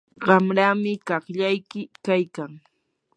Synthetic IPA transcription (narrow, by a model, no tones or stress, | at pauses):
ɢɑmɾaːmɪkɑχʎajkɪkajkaŋ